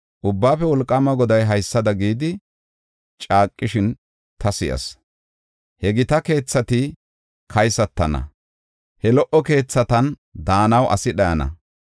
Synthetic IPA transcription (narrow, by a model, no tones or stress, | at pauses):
ʔʊbːaːpɛwɔlkʼːɐmɐɡɔd̪ɐjɦɐjsːɐd̪ɐɡiːd̪ɪ | t͡ʃʼaːkʼːɪʃɪn | t̪ɐsɪʔɐ̰s | hɛɡɪt̪ɐke̞ːt͡sːɐt̪ɪ | kʰɐjsɐt̪ːɐnɐ̰ | hɛlɔʔɔke̞ːt͡sːɐt̪ɐn | d̪aːnɐwʔɐ̰sɪɗɐjɐnɐ̰